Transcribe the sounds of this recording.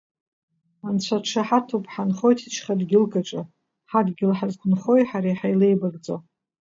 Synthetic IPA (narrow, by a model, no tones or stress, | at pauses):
ant͡ɕʷʰaʈ͡ʂʰaħatʰupʼħanχo̞jtʰit͡ʃʰχadɡʲɪlkʼaʈ͡ʂʼa | ħadɡʲɪlħazɡʷʊnχojħaɾajħajlejbaɡd͡zo